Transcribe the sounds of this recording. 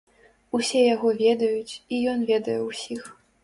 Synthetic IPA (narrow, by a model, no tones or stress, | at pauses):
usʲɛjaɣɔvʲɛd̪ɐjut͡sʲijɔnvʲɛd̪ɐjɛwsʲix